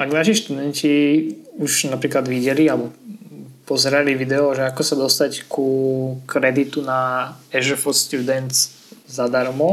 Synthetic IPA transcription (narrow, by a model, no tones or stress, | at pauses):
ʔaɡnaʃiʃt̪ud̪ɛnciuʒnapɾiːklad̪ʋiɟɛlialbɔ | pɔzɛɾaliʋid̪ɛɔʒɛakɔsad̪ɔst̪ackukɾɛd̪it̪unaɛʒɛfɔst̪jud̪ɛnz | zad̪aɾmɔ